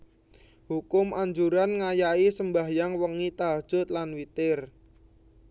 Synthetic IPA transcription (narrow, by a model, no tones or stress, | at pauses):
hukʊmʔaɲd͡ʒuɾanŋajaisəmbaɦjaŋwəŋit̪aɦad̥ʒ̥ʊ̤t̪̚lanwit̪ɪr